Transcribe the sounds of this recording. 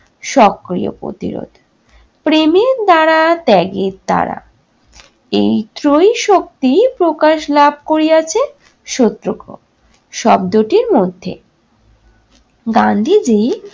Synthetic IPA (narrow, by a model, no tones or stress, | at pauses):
ʃɔkːɾḭjo̰pɾo̰t̪ḭɾo̰d̪ʱ | pɾemeɾd̪aɾat̪ɛɡeɾd̪a̰ɾa̰ | ejt̪ɾojʃok̚t̪ipɾokaʃlab̚ʱkoɾijat͡ɕʰe | ʃot̪ːɾoko̰ | ʃɔb̚d̪oʈiɾmod̪ʱːḛ | ɡand̪ʱid͡ʑi